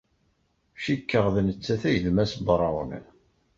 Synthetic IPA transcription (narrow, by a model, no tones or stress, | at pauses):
ʃikːəʁðnət͡sːæθæjðmæsbɾˤɑwnə̰